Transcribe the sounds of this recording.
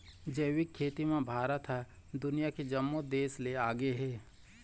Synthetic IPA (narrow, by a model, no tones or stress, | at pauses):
d͡ʒəwɪkʰːeːt̪imẽbʱaːɾət̪ɦɛ | d̪ʊnijaked͡ʒɐmːod̪eːsleaːɡeɦɛː